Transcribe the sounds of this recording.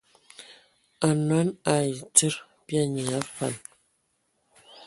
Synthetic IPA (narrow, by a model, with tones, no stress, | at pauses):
a˨nwa˨˦na˨i˨tə˦ɾ | bja˦ɲi˨a˦fa̰˨n